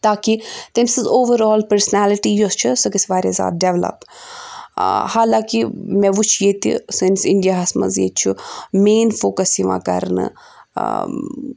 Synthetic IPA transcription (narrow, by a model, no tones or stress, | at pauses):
t̪aːkit̪emsizoːʋəɾɔːlpəɾsnæːlɪʈiːjost͡ʃʰisɐkisʲʋaːɾeza̰ːt̪̚ɖeʋlə̰p | haːlãːkimẽʋut͡ʃʰjeːt̪ḭsinsɪɳɖijaɦɐsmɐ̰zjḛːt͡ʃʰumeːnfoːkəsiʋa̰ːkɐ̰ɾnɨ̰